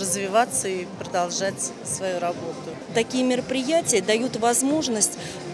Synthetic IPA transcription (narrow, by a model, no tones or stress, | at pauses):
əzvʲɪvat̪səipɾəd̪alˠʐatʲ | svɐjuɾɐbo̞t̪ʊ | t̪ɐkʲijəmʲɪɾəpɾʲɪjætʲɪjəd̪ɐjut̪vɐzmo̞ʐnəsʲtʲ